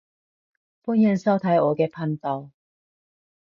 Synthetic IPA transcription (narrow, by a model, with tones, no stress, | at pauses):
pʊ˥˧njɛ˥˨nsa˥˧ʊt̪ʰa˨˧jɔ˨˩kɛ˧pʰa˥˧nt̪a˧˩ʊ